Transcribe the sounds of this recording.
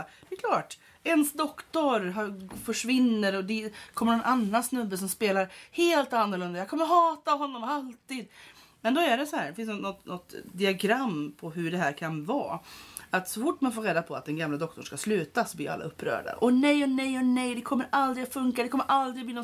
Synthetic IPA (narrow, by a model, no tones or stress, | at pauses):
d̪̥ɛkʰlɑːʈ | ɛnsd̪ɔkt̪ɔɾɦɑfœʂvɪnːəɾɔd̪ɛkʰɔmːəɳnɔnʔanːansnɵbːəs̬ɔmspeːlaɾheːlt̪anːəɾɭɵnd̪ajakʰɔmːəɾɦɑːt̪aɦɔnːɔmalt̪iːd̪ | mɛnd̪ɔæɖɛsɔhæːɖɛfɪnsnɔt̪nɔt̪d̪ɪaɡɾamːpʰɔɦɵɖɛɦæːɾkʰanvɑ̰ːat̪sɔfʊʈːmanfoːɾeːd̪apʰɔat̪̚d̪ɛnɡamlad̪ɔk̚t̪ɔɳ̩ʂkaslʉ̟ːt̪asɔbliːa̰lːa̰ɵpːɾœ̰ːɖa̰ʔɔnɛjɔnɛjɔnɛjd̪ɛkʰɔmːəɾʔald̪ɾɪɡafɵŋkad̪ɛkʰɔmːəɾʔald̪ɾɪɡbliːnɔ